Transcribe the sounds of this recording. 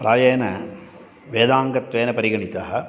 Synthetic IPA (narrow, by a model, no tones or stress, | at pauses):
ɾaːjeːnɐ | ʋeːd̪aːŋɡɐt̪ʋeːnɐpɐɾiɡɐɳit̪ɐɦɐ̆